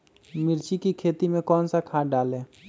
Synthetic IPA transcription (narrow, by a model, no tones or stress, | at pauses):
mɪɾt͡ʃikikʰeːt̪imẽkɔːnsakʰaːɖaːlẽː